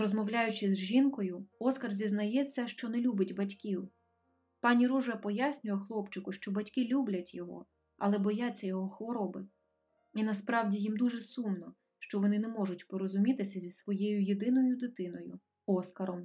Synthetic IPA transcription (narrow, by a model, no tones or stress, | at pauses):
ɾɔzmɔwlʲajʊt͡ʃɪzʒinkɔjʊɔskɐrzʲiznɐjɛt͡sʲːɐʃt͡ʃɔnɛlʲubɪtʲbɐtʲkʲiw | pɑnʲiɾuʒɛpɔjasʲnʲʊjɛxlˠɔpt͡ʃɪkʊʃt͡ʃɔbɐtʲkɪlʲublʲɐtʲjɔɦɔ̰ | ɐ̰lˠɛbɔjat͡sʲːɐjɔɦɔxʋɔɾɔbɪ | inɐspɾɑwdʲijimd̪uʒɛsumnɔ | ʃt͡ʃɔʋɔnɪnɛmɔʒʊtʲpɔɾɔzʊmʲit̪ɪsʲɐzʲisʋɔjɛjʊjed̪ɪnɔjʊd̪ɪt̪ɪnɔjʊ | ɔskɐɾɔm